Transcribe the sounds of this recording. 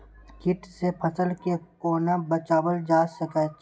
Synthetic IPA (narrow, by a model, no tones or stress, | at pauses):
kɪʈsepʰɐsəlkekoːnabɐt͡ʃaːwəld͡ʒaːsɐkɛ